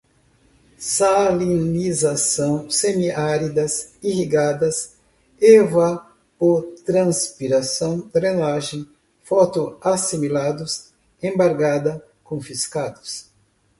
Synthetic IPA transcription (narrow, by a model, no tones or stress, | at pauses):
salinizasɐ̃w̃semiaɾid̪ɐsihiɡad̪ɐs | eva | poɾt̪ɾɐ̃spiɾasɐ̃w̃t̪ɾenaʒẽj̃ | fɔt̪ʊasimilad̪ʊs | ẽbaɾɡad̪ɐ | kõfiskad̪ʊs